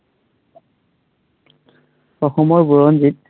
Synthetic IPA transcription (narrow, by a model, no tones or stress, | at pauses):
ɔxɔmɔɹbuɹɔndit̚